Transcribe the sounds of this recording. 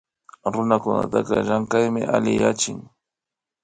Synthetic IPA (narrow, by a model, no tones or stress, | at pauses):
ɾʊnakʊna̰t̪aqɑɾaŋkajmɪʔalɪjat͡ʃɪŋ